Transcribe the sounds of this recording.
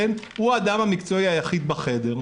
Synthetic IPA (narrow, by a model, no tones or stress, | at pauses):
en | huad̪amamikt͡so̞iajaχid̪̚baχe̞de̞ʁ